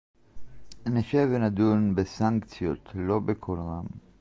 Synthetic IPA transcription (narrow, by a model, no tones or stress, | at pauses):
neʃevenad̪unbesaŋkt͡sjot̪lo̞bekʰolʁam